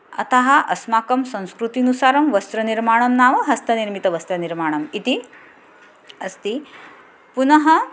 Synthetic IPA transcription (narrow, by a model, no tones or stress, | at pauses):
ɐ̰t̪ɐɦɐ̆ʔɐsmaːkɐmsɐ̃ñskɾut̪inusaːɾɐmʋɐst̪ɾɐniɾmaːɳɐmnaːʋɐɦɐst̪ʰɐniɾmit̪ɐʋɐst̪ɾɐniɾmaːɳɐmit̪i | ɐst̪i | punɐɦɐ